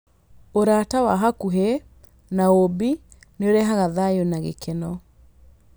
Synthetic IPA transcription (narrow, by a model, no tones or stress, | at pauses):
oɾatawaɦakuɦe | naobi | neoɾɛɦaɣaðajonaɣḛkʰenɔ